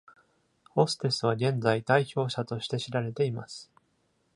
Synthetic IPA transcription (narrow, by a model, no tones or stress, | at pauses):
o̞sɨ̥t̪e̞sɨβ̞aɡẽ̞nd͡zaid̪aiço̞ːɕat̪o̞ɕi̥t̪e̞ɕiɾaɾe̞t̪e̞imasɨ̥